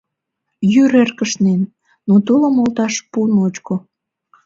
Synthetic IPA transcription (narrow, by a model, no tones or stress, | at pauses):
jyɾerkəʃnenː | ot̪uləmolt̪ɑʃpunot͡ɕko